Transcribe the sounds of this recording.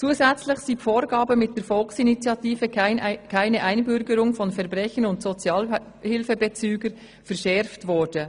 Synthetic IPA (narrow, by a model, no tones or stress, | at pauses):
t͡suːəzɛt͡slɪçsiːfoːɾɡɑːbəmɪt̚d̥eːɾfɔlksinit͡sjɑtiːfəkʰaɪnəʔaɪnbʏɾɡəɾʊŋfɔnfɛʁbʁɛçənʊntsɔt͡sjɑːl | hɪlfəbət͡syːɡəɾ | fɛɾʃɛɾftvɔɾd̥ə